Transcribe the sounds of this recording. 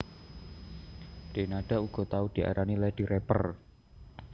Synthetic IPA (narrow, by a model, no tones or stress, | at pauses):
ɖ̥e̤naɖ̥a̤uɡ̥ɔ̤t̪aud̪̥i̤ʔa̰ɾʔanilɛd̥i̤ɾɛpər